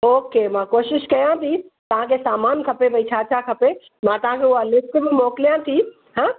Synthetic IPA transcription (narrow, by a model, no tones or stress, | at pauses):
oːkemãkoːʃɪʃkɐjãt̪ʰit̪ɐʋ̤ãkʰesaːmaːnkʰɐpebɐit͡ɕʰaːt͡ʃʰakʰɐpe | mãt̪ɐɦãkʰeʊɦalɪskbɪmoːklijãt̪ʰi | ɦãː